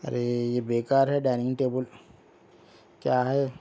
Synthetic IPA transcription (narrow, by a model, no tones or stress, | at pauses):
ɐ̰ɾejebeːkaːɾɦɛɖaːnɪ̃ŋʈeːbəl | kjaːɦɛː